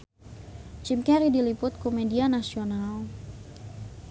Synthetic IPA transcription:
t͡ʃimkɛɾidilipʊt̪̚komedianasional

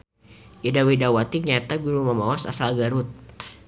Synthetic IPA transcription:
ʔadawidawat̪ik̚ɲat̪aɡuɾuməmawasa̰salɡaɾut̪̚

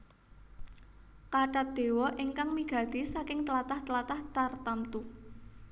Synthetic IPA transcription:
kaɖat̪̚d̪̥e̤wɔʔɪŋkaŋmiɡ̥a̤d̪̥e̤sakɪŋt̪əlat̪aht̪əlat̪aht̪art̪amt̪u

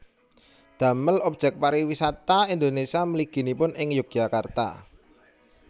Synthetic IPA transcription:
d̪̥ä̤məlɔp̚ʒ̥ɛk̚paɾiwisat̪aind̪onesiaməliɡ̥i̤nipʊnʔɪŋjuk̚jakart̪a̰

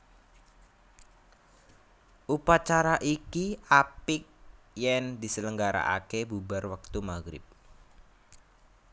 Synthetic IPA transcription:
ʔupat͡ʃaɾaʔikiʔapɪk̚ | jɛŋd̪isələŋɡaɾa̰ʔakebubarwak̚t̪umaɡɾɪ̰p̚

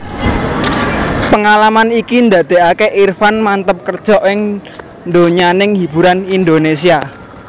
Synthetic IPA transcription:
pəŋalamanikind̪ä̤d̪̥e̤ʔakeʔirfanmant̪əp̚kərd̥ʒ̥ɔ̤ʔɪŋ | nd̪oɲanɪŋhib̥ṳɾanind̪onesia

